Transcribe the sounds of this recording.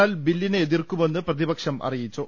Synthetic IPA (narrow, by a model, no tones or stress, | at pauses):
aːlbilːineeðirkume̞nːɨprɐðibɐkʂɐmʔɐ̰rijit͡ɕːu